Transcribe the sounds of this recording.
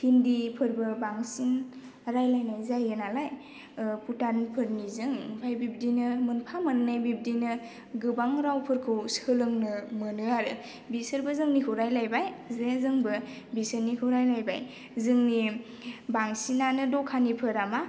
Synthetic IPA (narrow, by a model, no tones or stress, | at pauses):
kʰindipʰɯɾbɯbaŋsin | ɾajlajnajzajɡɯnalaj | putanpʰɯɾnizɯŋpʰajbib̚dinɯmɯnpʰamɯnnajbib̚dinɯ | ɡɯbaŋɾawpʰɯɾkʰɯwsɯlɯŋnɯmɯnɯaɾɯ̰ | bisɯɾbɯzɯŋnikʰɯwɾajlajbajzezɯŋbɯ | bisəɾnikʰɯwɾajlajbaj | zɯŋni | baŋsinanɯdɔkʰanipʰɯɾama